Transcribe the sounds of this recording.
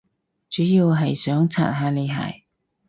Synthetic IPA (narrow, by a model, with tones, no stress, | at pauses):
t͡syː˨˥jiː˧wɦɐ˨jsœː˨˥ŋt͡sʰa̰ː˨˩t̚ɦaː˨˥le˨˧ɦa̰ː˨˩j